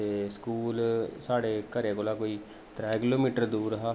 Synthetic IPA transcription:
eːskuːlsaːɽeːkəɾeːkoːlaːkoːiː | t̪ɾɛːkɪloːmiːʈəɾd̪uːɾəɦaː

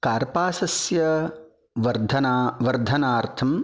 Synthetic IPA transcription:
kaːɾpaːsɐsjɐ | ʋɐɾd̪ʱɐnaːʋɐɾd̪ʱɐnaːɾt̪ʰɐm

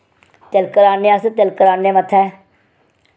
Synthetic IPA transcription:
t̪elkəɾaːnːẽast̪elkəɾaːnːẽːmət̪ʰɛː

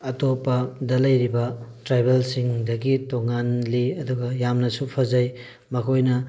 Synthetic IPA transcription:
ɐtopɐdɐlɐjɾibɐtɾajbelsiŋdɐɡitoŋanliɐduɡɐjamnɐsupʰɐzaj | mɐkʰojnɐ

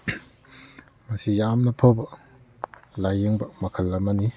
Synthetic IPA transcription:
mɐsijamnɐpʰobɐ | lajeŋbɐmɐkʰɐlːɐmɐni

